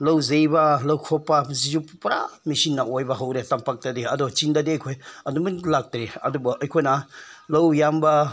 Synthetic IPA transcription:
lɐwzejbɐlɐwkʰɔpːazizuppɐɾa̰misinːɐʔojbɐɦawɾetampak̚tadiɐdɔt͡ʃindadiɐjkʰojɐdumunlak̚tɾeɐ̰dubɐʔɐjkʰojnɐlɐwjambɐ

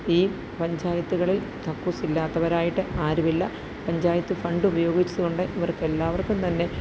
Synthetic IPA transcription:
iː | pɐɲd͡ʑaːjɐt̪ːuɣɐɭilt̪ɐkːusilːaːt̪ːɐʋɐɾaːjiʈːɨʔaːɾuʋilːɐ | pɐɲd͡ʑaːjɐt̪ːufɐɳɖɨubɐjo̞ːɡit͡ɕːɐɣoɳɖɨʔiʋɐrke̞lːaːʋɐrkːumt̪ɐnːe̞

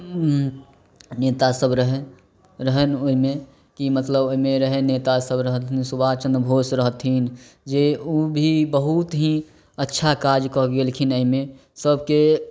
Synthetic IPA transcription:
net̪asəbɾəɦe | ɾəɦənoɦimẽ | kimət̪ləboimeɾəɦenet̪asəbɾəɦt̪ɦinsubat͡ʃə̃nd̪ɾəbʱoːsɾəɦt̪ɦin | d͡ʒeubʱibəɦut̪ɦĩ | ətːʃʰakaɾd͡ʒkɔɡelkʰinəimẽ | səbke

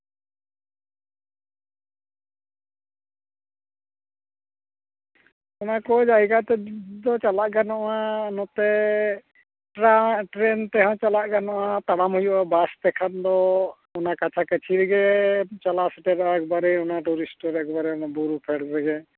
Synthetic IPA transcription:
ɔnakɔd͡ʒaiɡaʔt̪ɛd̪ɔt͡ʃalaʔɡanɔʔanɔt̪ɛ | ʈɾaʈɾɛnt̪ɛɦɔ̃t͡ʃalaʔɡanɔʔat̪aɽamhujuʔabast̪ɛkʰand̪ɔ | ɔnakat͡ʃʰakət͡ʃʰiɾɛɡɛt͡ʃalasɛʈɛɾɔaɛkbaɾɛɔnaʈuɾisʈɔɾɛk̚baɾɛɔnabuɾupʰɛɽɾɛɡɛ

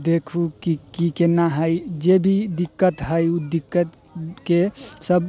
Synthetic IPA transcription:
d̪ekʰukikikenaɦəjd͡ʒebʱid̪ikːət̪ɦəjud̪ikːət̪ | kesəb

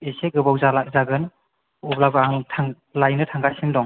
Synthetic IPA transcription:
eseɡɯbawzalakzaɡɯn | ublabɯaŋtʰaŋ | lajnɯtʰaŋɡasindɔŋ

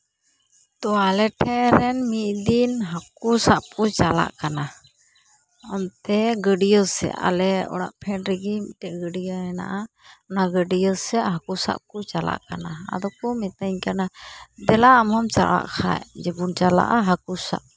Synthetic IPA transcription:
t̪ɔwalɛʈʰɛɾɛnmit̪̚ˀd̪inɦakusaʔ̚kɔt͡ʃala̰ʔkana | ɔmt̪ɛɡəɖijɔsɛ̰ʔa̰lɛɔ̰ɽa̰ʔpʰɛnɾɛɡimiʈɛʔɡəɖijəɛna̰ʔa | ɔnaɡəɖijɔsɛʔɦakusa̰ʔ̚kɔt͡ʃala̰ʔkanaa̰d̪ɔkɔmit̪aɲkanad̪ɛlaamɔmt͡ʃa̰la̰ʔkʰa̰jd͡ʒɛbunt͡ʃala̰ʔaɦakusa̰ʔ

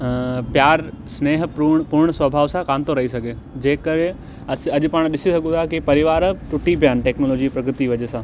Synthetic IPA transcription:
pjaːɾsneːɦpʊɽpʊɾɽ̃sʋɐbʱaːʋsãkaːnt̪oɾɐɦisɐɡʱeː | d͡ʑeːkəɾẽ | ɐsɐʄʊpaːɽ̃ɗɪsisɐɡʱũt̪ʰakipɐɾɪʋaːɾʈʊʈip̬ijaːnɪ̆ʈɛːknoːloːd͡ʑipɾɐɡɾɪt̪iʋɐʄesãː

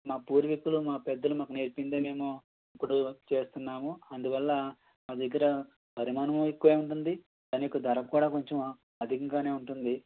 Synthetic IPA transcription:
maːpuːɾʋikulumaːpɛd̪ːɐlumaːkuneɾpind̪eːme̞ːmu | ipːuɽut͡ʃe̞ːst̪unːaːmuɐnd̪uʋɐlːɐ | maːd̪ɐɡːɐɾɐ | pɐɾimaːnɐmikːuʋeːuɳʈund̪i | d̪ɐnikud̪ɐɾɐkuːɽaːko̞ɲt͡ʃem | ɐd̪ʱikɐŋɡaːne̞ːuɳʈund̪i

